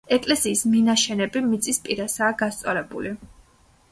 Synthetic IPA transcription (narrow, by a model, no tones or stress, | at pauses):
ɛkʼlɛsiːsminaʃɛnɛbimit̪sʼispʼiɾasaːɡast̪sʼɔlɛbṵli